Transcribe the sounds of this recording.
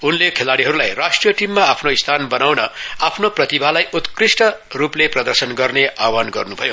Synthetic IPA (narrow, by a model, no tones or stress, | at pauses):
unlekʰelaɽiɦʌɾulajrasʈrijʌʈimːaapʰnoist̪ʰanbʌnawnʌapʰnoprʌt̪ibʱalajut̪krisʈʌrupleprʌd̪ʌrsʌnɡʌrneawanɡʌ̰rnubʱʌjo